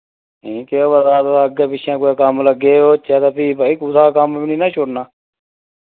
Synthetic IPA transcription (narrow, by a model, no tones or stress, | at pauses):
ĩːkeoːʋəd̪aːt̪oəɡeːpɪt͡ʃʰãːkoːekəmləɡeːoːt͡ʃɛːt̪aːpiːpaːiːkut̪aːkəmnĩːnãːt͡ʃʰoɽnaː